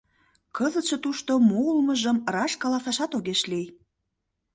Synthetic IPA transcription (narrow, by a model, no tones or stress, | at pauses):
kɤzət̪ʃet̪uʃt̪omoulməʒəmrɑʃkɑlɑsɑʃɑt̪oɣeʃlij